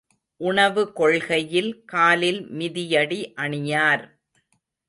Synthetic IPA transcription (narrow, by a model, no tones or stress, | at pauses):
ʔʊɳɐʋɯkɔɭɣɐjɪlkaːlɪlmɪðɪjɐɽiʔɐɳɪjaːɾ